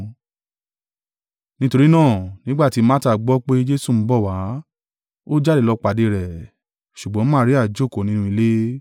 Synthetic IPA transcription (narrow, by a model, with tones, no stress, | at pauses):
nĩ˦to˧ɾi˦nãː˦˨nĩ˨˦ɡ͡ba˦˨ti˨˦ma˦ta˦˨ɡ͡bɔ˦k͡pe˦d͡ʒe˦su˦˨m̩˨˦bɔ˦˨wa˨˦ | o˦d͡ʒa˦˨de˦˨lɔ˧k͡pa˨de˧ɾɛ˨ | ʃu˨ɡ͡bɔ̃˨˦mãː˦ɾi˦a˦˨d͡ʒo˦˨ko˨nĩ˦nũ˧i˧le˦